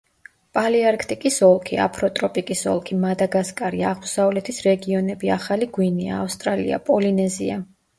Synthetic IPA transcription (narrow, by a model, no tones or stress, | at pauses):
pʼaliaɾkʰt̪ʼikʼisɔlˠkʰia̰pʰɾɔt̪ʼɾɔpʼikʼisɔ̰lˠkʰimad̪aɡaskʼaɾiaʁmusaulɛt̪ʰisɾɛɡiɔnɛbiaχaliɡwinia̰ːfst̪ʼɾalḭa̰pʼɔlinɛzḭa̰